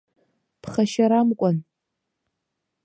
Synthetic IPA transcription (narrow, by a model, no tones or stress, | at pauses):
pʰχaʃaɾamkʷʼan